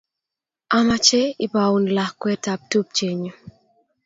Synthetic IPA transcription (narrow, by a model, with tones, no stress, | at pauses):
a˦ma˦t͡ʃɛ˦i˨ba˨u˨nla˨hkwɛ˦ta˨p̚tu˦p̚t͡ʃe˨ɲo˨